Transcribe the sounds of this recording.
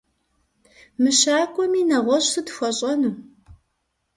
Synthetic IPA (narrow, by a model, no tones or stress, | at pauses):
mɨɕaːkʷʼɔmiːnɐʁʷɔɕʼsɨtxʷɔɕʼɐnuː